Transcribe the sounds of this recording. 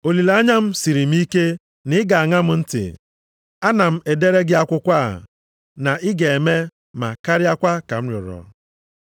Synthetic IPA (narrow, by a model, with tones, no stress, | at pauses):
o˨li˨la˦ɲa˦m̩˦si˨ɾi˨m̩˦i˦ke˦ | nɪ˨˦ɪ˦ɡa˨a˨ŋa˦m̩˦n̩˦tɪ̰˨ | a˦na˨m̩˦e˨de˦ɾe˦ɡɪ˦a˦kʷʊ˦kʷa̰˦˨ | na˨ɪ˦ɡe˨e˨me˦ | ma̰˨ka˦ɾɪ˦a˦kʷa˦ka˨m̩˦ɾʊ̰˨ɾɔ̰˨